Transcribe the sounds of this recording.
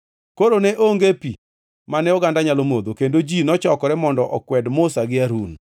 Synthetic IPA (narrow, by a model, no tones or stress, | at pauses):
koɾoneʔoŋɡepi | manɛɔɡandaɲalomod̪okendod͡ʒinɔt͡ʃɔkɔɾɛmɔndɔʔɔkwɛdmʊsaɡɪaɾun